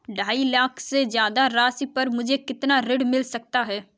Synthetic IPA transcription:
ɖʱaːiːlaːkʰsed͡ʒjaːd̪aːɾaːsipəɾmʊd͡ʒʱeːkɪt̪naːɾɪɖmɪlsək̚t̪aːɦɛː

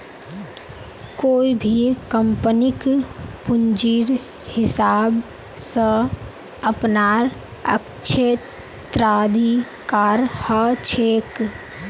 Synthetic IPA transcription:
koːibʱikəmpənikpund͡ʒiːɾ | hɪsaːb | sə̃ | əpnaɾ | ə̰k | t͡ʃʰe | t̪ɾad̪ʱi | kaːɾhət͡ʃʰeːk

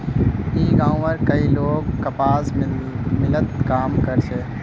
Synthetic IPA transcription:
ĩːɡãːũʋəɾkɐiloːɡkːɐpaːs | mɪlət̪kaːmkəɾt͡ʃʰeː

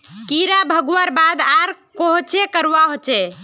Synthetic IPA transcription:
kiɾabʱəɡuəɾbad̪aɾkoɦot͡ʃekəɾʋaɦot͡ʃɛ

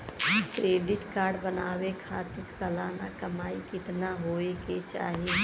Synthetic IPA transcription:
kɾeːɖɪʈkaːɾɖbənaːwekʰaːt̪ɪɾsɐlaːnakɐmaːikɪt̪naɦoːeket͡ʃa̰ːɦie

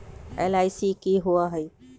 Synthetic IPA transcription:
ḛlaːɪsikiɦuaɦəj

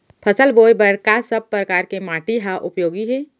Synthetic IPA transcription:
pʰɐsəlboːjbɐɾkasɐb̚pɾəkaːɾkemaːʈiɦaʔʊpjoːɡiɦɛː

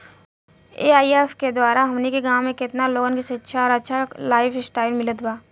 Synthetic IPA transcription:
eːaːieːfked̪waːɾaɦɐmnekeɡãːʋmẽkɪt̪naloːɡənkisetːʃʰaɔːɾɐtːʃʰalaːɪfsʈaːɪlmɪlət̪baː

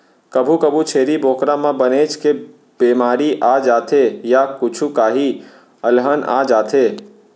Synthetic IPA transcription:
kəbʱukəbʱut͡ʃʰeːɾiboːkɾãmãbəneːt͡ʃke | beːmaːɾiʔaːd͡ʒaːt̪ʰejakʊt͡ʃʰukaːɦi | əlɦəna̰ːd͡ʒaːt̪ʰeː

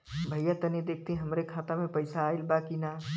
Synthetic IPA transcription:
bʱɐjjat̪ɐnid̪eːk̚ʰt̪iɦɐmɾekʰaːt̪amẽpəɪsaːilbakina

